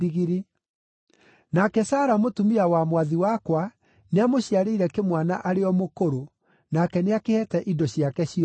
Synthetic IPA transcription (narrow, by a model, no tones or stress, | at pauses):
iɣiɾi | nakɛsaːɾamotumiawamwaðiwakwa | neamoɕjaɾeiɾɛkemwanaʔaɾeɔmokoɾo | nakɛneakehɛtɛʔidɔɕijakɛɕi